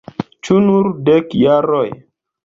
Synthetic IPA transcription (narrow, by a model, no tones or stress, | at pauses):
t͡ʃunuɾdɛkjaɾɔj